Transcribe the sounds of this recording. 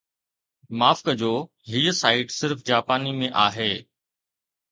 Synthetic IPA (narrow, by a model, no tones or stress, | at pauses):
maːfkəd͡ʑoː | ɦiːəsaːɪʈsɪɾfd͡ʑaːpaːnimẽʔaːɦeː